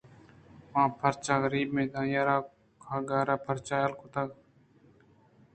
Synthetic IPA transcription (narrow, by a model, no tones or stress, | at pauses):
ʋãːpʰəɾt͡ʃaːɣəɾiːbmẽːd̪ãːjaːɾaː | kʰaːɡaːɾaːpʰəɾt͡ʃaːjəlkot̪əɡ